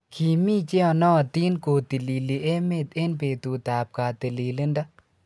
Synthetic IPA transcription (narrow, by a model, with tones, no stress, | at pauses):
kʰi˨miː˦t͡ʃe˦ɔ˨nɔ˦˨t̪i˦nkoː˨t̪i˨li˨li˨e˦me˦˨t̪e˦npeː˨t̪u˨t̪aː˨p̚ka˨t̪i˨li˨li˦nda˦